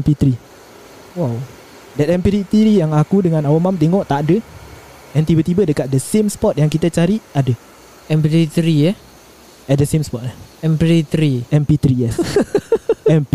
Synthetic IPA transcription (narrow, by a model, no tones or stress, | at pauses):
ɛmpit̪ɾi | waw | dɛt̪ɛmpiɾit̪iɾijaŋakudəŋãnawamamt̪eŋɔʔt̪aʔadə | ɛnt̪ibət̪ibədəkat̪̚dəsemspɔt̪̚jaŋkit̪at͡ʃaɾiadə | ɛmpiɾit̪ɾiə | ɛt̪̚dəsemspɔt̪̚lahɛmpiɾit̪ɾiɛmpit̪ɾiɛs | ɛmp